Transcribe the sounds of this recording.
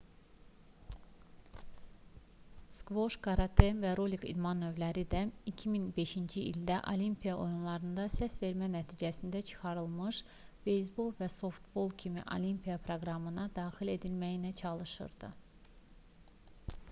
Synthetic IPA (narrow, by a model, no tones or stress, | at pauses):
skvoʃkʰɑɾɑt̪ʰemvæɾolikḭd̪mɑnːø̞vlæɾid̪æicʰiminbe̞ʃind͡ʒiʔild̪æʔo̰limpʰijɑʔo̞̰junlˠɑɾɯnd̪ɑsæsve̞ɾmænæt̪ʰiːd͡ʒæsind̪æt͡ʃʰɯ̥xɑɾɯlˠmɯʃ | b̥e̞js̬bolˠvæso̞ft̪bolˠcʰimḭʔo̰lʲimpʰijɑpʰɾo̞ɡɾɑmɯnɑd̪ɑːxile̞d̪ilmæjinæt͡ʃʰɑlˠɯʃɯ̰ɾd̪ɯ̰